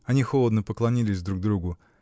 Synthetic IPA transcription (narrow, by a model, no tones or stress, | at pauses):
ɐnʲixolˠəd̪nəpəklˠɐnʲilʲɪsʲd̪ɾuɡ̚d̪ɾuɡʊ